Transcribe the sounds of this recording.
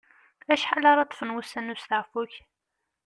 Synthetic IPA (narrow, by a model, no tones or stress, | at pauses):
æʃħalɑɾˤɑt̪ˤːfənwusænːusθəʕfuç